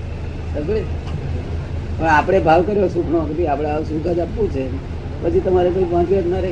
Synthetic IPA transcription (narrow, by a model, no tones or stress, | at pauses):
səɡɭe | pəɳapɽ̃ebʱaʋkəɾjosukʰɳokebiapɽ̃esuɡʱad͡ʒapːũt͡ʃʰe | pət͡ʃʰit̪əmaɾekoipʋãt͡ʃiət̪naɾe